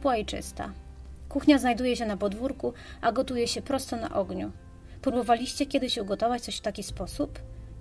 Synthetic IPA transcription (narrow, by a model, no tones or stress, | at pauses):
pwait͡ʂɘ̰st̪a̰ | kuxɲaznajd̪ujɛɕɛnapɔd̪vuɾkuaɡɔt̪ujɛɕɛpɾɔst̪ɔna̰ʔɔɡɲu | pɾubɔvalʲiɕt͡ɕɛkʲjɛd̪ɘɕuɡɔt̪ɔvat͡ɕt̪sɔɕft̪akʲispɔsup